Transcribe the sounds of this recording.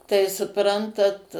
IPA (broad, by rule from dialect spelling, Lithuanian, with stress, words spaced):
tɐɪ sʊˈprɐntɐt